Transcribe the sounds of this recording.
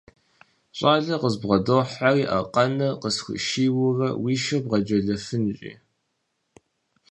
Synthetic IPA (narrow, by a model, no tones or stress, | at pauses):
ɕʷʼaːɮɐqəzbʁɐdoħariːʔɐ̰qɐnɐqəsxʷʊ̰ʃiːwʊrɐwiːʃɐbʁɐd͡ʒɐɮɐfɨnɕʼḭː